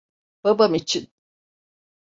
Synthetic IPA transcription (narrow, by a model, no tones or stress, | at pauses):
b̥abamit͡ʃʰin